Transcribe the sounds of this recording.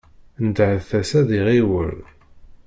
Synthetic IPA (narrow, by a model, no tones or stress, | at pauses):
nəd̪ʕəðθæsæðiʁiwə̰ɾ